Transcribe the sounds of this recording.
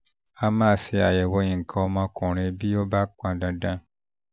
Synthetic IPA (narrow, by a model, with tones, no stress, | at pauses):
a˦mã˦˨si˧a˨jɛ˨wo˧ɲĩ˨ŋ̩˨kʰã˨o˦mã˦kɔ̃˨ɾ̃ẽ˨bi˦o˦ba˦k͡pã˨dã˦dã˦